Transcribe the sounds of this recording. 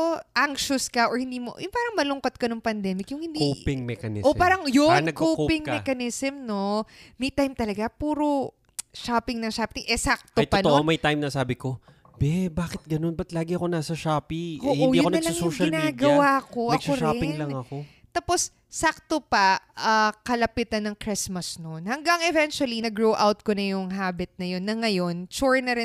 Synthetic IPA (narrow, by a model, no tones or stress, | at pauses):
ʔaŋʃʊskɐʔohɪnd̪iːmo̰jʊŋpaːɾɐŋmɐlʊŋkɐt̪̚kɐnoŋpɐnd̪ɛːmɪkjʊŋhɪ̃nd̪kiopɪŋmɛkɐnɪʔopaːɾɐŋjonnɐɡkoːpɪŋɛkɐnɪsɛmno̞mɛjt̪ajmt̪ɐlɐɡapuːɾo̞ | ʃaːpɪŋnɐŋʃaːpɪŋʔɛsak̚t̪ojt̪oɐnooʔomɐjt̪ajmnɐsaːbɪko̞ | bɛbaːkɪt̪̚ɡɐno̞nbɐt̪laːɡɪɐko̞naːsɐʃaːpiʔoːʔõiːɐʊkoɐlɐjsoʊːʃɐɪlnaːɡɐwaːko̞ɐskoɾaːpɪnŋlɐŋɐko | t̪apo̞s | sak̚t̪opɐʔɐkɐlɐpɪt̪ɐnːɐŋkɾɪsmɐsnonhɐŋɡɐŋɛvɛnt͡ʃʊwɐlinɐɡɹowʔawt̪̚konɐjʊŋɦaːbɪt̪̚nɐjo̞nːɐŋɐjo̞nt͡ʃuɹnɐɾɪ